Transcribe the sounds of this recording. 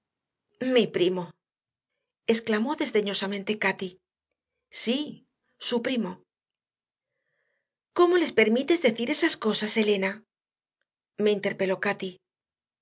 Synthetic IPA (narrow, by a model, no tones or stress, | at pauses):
mipɾimo̞ | e̞sklamo̞ðe̞zðe̞ɲo̞samẽnt̪e̞kat̪i | si | supɾimo̞ | ko̞mo̞le̞spe̞ɾmit̪e̞zðe̞θiɾe̞sasko̞sase̞le̞na | me̞int̪e̞ɾpe̞lo̞kat̪i